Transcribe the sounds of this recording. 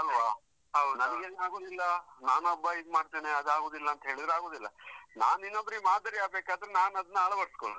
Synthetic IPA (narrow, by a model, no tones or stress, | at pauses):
ɐlʋa | ɦɐwnɐnɐɡeːnaːɡoːd̪ilːɐnaːnuɐbːɐid̪maːɽt̪eːneɐd̪aːɡoːd̪ilːɐːnt̪ɐɦeːɭid̪ɾeaːɡo̞ːd̪ilːɐnaːninːobɾimaːd̪ɐɾiaːbeːkaːd̪ɐɾenaːnɐd̪ɐnːɐɐɭɐʋɐɽskoɭ